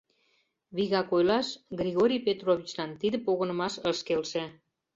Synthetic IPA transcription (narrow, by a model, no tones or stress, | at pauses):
βiɣɑkojlɑʃɡɾʲiɣoɾʲijpet̪roβʲit͡ɕlɑnt̪id̪ə̆poɣə̆nə̆mɑʃə̆ʃkelʃĕ